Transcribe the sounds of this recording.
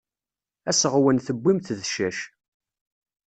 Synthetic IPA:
æsəʁwənθəbʷːimθðʃæʃ

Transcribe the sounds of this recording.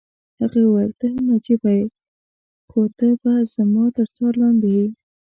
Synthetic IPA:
haɣawaɾt̪əhamnɑd͡ʒibaj | xod̪əbaz̥amɑt̪əɾt͡sɑɾlɑnd̪ewi

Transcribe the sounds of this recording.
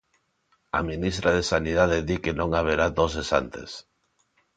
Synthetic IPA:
a̰minist̪ɾaðesaniðaðeðikenõŋaβ̞eɾad̪osesa̰nt̪ḛs

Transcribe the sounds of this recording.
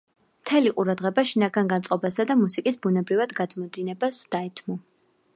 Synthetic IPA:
mt̪ʰɛliqʼuɾad̪ʁɛbaʃinaɡanɡant̪sʼɔbasad̪amusikʼisbunɛbɾivad̪ɡad̪mɔd̪inɛbasd̪̥aɛt̪ʰmɔ

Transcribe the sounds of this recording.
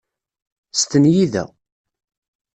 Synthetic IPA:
st̪ənjiðæ̰

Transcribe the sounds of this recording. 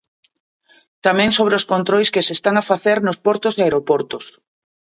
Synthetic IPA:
t̪amɛ̃ŋsoβ̞ɾeoskont̪ɾojskesest̪aŋafaθeɾnospɔɾt̪ʊseaeɾopɔɾt̪ʊs

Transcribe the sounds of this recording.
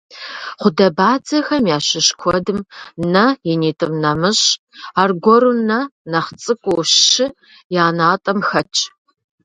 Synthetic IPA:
χʷʊdɐbaːd͡zɐxɐmjaːɕɪɕkʷʰɔdɨmnɐjɛniːtʼɨmnɐmɨɕ | aːrɡʷɔɾunɐnɐχt͡sʼɨkʷʼʊwɕːɪ | jaːnaːtʼɐmxɐt͡ʃʰʼ

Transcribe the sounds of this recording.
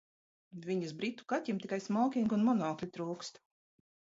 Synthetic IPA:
viɲasbɾit̪ːu̥kat̪ʲimt̪ʲikajsmɔːkʲiŋɡunmɔnɔːklʲit̪ɾuːkst̪

